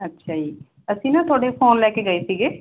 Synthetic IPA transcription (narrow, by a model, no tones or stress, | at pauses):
ətːʃʰaːd͡ʒiː | əsĩːnãːt̪ʰʊoːɽeːpʰoːnlɛːkeːɡəeːsiːɡeː